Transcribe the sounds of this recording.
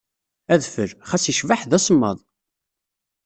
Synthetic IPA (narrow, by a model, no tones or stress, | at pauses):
æðfəɾχæsiʃvaħðæsəmːə̰ðˤ